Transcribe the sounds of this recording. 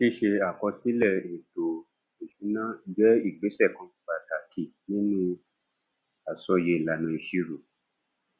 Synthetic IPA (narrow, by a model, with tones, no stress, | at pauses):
ʃi˦ʃe˧a˨kɔ˧si˦lɛ˦˨e˨to˨ | e˨ʃu˨˦nã˦˨d͡ʒɛ˦i˦˨ɡ͡be˨˦sɛ˦˨kã˧k͡pa˨ta˨kʰi˦˨nĩ˦nĩ˧ | a˨sɔ˧je˧˦i˨la˨nũ˧i˧ʃi˦ɾo˨